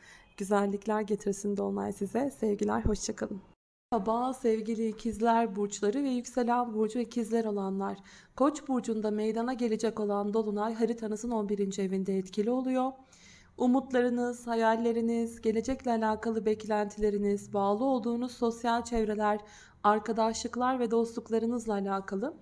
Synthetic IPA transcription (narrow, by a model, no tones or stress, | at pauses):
ɟ̥yzælʲːiclʲæɾɟe̞t̪ʰiɾsind̪olˠma̰jsizɛsɛvɟilʲæ̰ɾho̞ʃt͡ʃʰakʰalˠɯm | habaːsɛvɟilʲicʰizlʲæɾbuɾt͡ʃlˠaɾɯvɛjycse̞lʲænbuɾd͡ʒuɛcʰizlʲɛɾo̞lˠanlˠaɾ̥kʰo̞t͡ʃbuɾd͡ʒund̪amejd̪anaɟe̞lʲed͡ʒɛco̞lˠand̪o̞lˠunajɦaɾit̪ʰanɯzɯno̞nbiɾind͡ʒievind̪ɛːt̪cʰilʲio̞lˠujo̞ | umut̪lˠaɾɯnɯz̥hajalʲːe̞ɾinizɟe̞lʲe̞d͡ʒɛclʲɛalʲaːkʰalˠɯbɛclʲænt̪ʰilʲe̞ɾinizbaːlˠɯo̞lˠd̪uːnuz̥so̞sjalʲt͡ʃʰɛvɾe̞lʲæɾ | aɾkʰad̪aʃlˠɯklˠaɾvɛd̪o̞slˠuklˠaɾɯnɯzlˠaːlʲaːkʰalˠɯ